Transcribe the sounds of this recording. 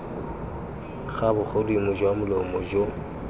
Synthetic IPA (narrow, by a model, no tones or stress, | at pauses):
ɣabʊk͡xʰodimʊd͡ʒwamʊlɔmɔd͡ʒo